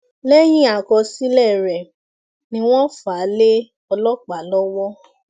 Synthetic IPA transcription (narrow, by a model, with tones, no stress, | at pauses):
lɛ˦j̃ĩ˦a˨kɔ˧si˦lɛ˦˨ɾɛ˨ | nĩ˧w̃ɔ̃˦fa˨˦le˦ | ɔ˧lɔ˦k͡pa˨lɔ˦wɔ˦